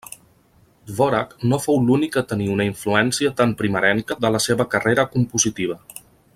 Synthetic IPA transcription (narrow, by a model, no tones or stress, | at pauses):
vɔɾaknofowlunikət̪əniunəiɱfluɛnsiət̪ampɾiməɾɛŋkəðələseβəkəreɾəkumpuzit̪iβ̞ə